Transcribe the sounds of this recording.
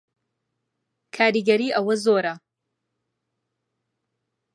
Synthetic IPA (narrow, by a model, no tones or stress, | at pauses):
kʰaːɾiɡɐɾiːʔɐwɐzoːɾɐ